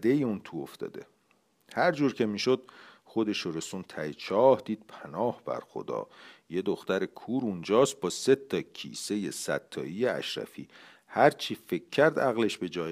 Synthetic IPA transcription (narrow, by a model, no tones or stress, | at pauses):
d̪ejiunt̪ʰuo̰ft̪ɒ̰ːd̪ḛ | hæɾd͡ʒuːɾcʰe̞miːʃo̞d̪̚ | χo̞d̪e̞ʃoɾe̞sunt̪ʰæjet͡ʃʰɒːhd̪iːd̪̚pʰænɒːhb̥æ̰ɾxo̰d̪ɒ̰ːje̞d̪oxt̪æɾekʰuːɾund͡ʒɒːst̪̚bɒːse̞t̪ʰːɒcʰḭːse̞je̞sæ̰t̪ʰːɒ̰ːijeæ̰ʃɾæ̰fḭː | hæɾt͡ʃʰife̞kʲʰːæɾd̪æɣle̞ʃbe̞d͡ʒɒːj